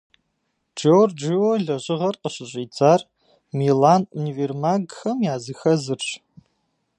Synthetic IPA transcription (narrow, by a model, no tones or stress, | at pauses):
d͡ʒord͡ʒɪwoɮɐʑʼɪʁɐrqəɕɪɕʼiːt͡sʰʼaːr | milaːnuniveːrmaːɡxɐmjaːzɨxɐzɨrɕ